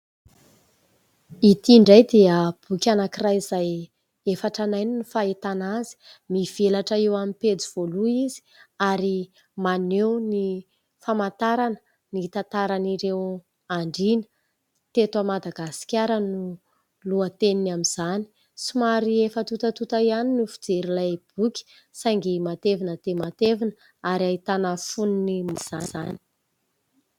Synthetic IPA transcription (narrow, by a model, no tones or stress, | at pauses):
it̪iɳɖ͡ʐajd̪eəb̥ukʲanakirajizaj | efaʈ͡ʂanajninifait̪anazi̥ | miv̥elaʈ͡ʂaewamiped͡ziv̥oluizi̥aɾi | manewni | famant̪aɾanə̥ | nit̪at̪aɾaniɾew | aɳɖ͡ʐinə | t̪et̪amad̪aɡasi̥kʲaɾənu | luət̪eninamiz̥ani̥ | sumaɾiefət̪ut̪ət̪ut̪aianinufi̥d͡zeɾilajb̥ukʲi̥ | saŋɡimat̪evinət̪emat̪evinə | aɾait̪anəfuninimiz̥azani̥